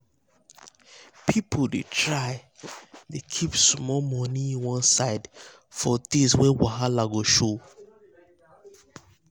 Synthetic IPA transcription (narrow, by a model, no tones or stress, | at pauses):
pʰipʰodetʰɹaɪ | dekʰipsmɔlmɔniĩnwɔ̃nsaɪd | fɔdeswɛ̃waɦalaɡoʃo